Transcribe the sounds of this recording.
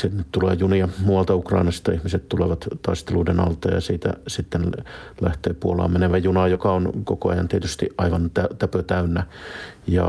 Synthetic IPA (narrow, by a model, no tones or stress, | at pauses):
sinːet̪t̪ulḛːjuniɑmuɑlt̪ɑukrɑinɑst̪ɑihmiset̪t̪uleʋɑt̪t̪ɑist̪eluidenɑ̰lt̪ɑjɑ̰siːt̪æ̰sit̪ːenlæht̪eːpuolɑ̰meneʋæjunɑjokɑonkokoɑ̰jɑ̰nt̪iet̪yst̪iʔʔɑiʋɑnt̪æt̪æpøt̪æynːæjɑ̰